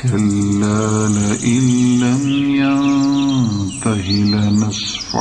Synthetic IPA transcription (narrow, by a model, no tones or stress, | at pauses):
kalːaːlaʔɪlːamjan | t̪ahɪlnɪsˤ | fa̰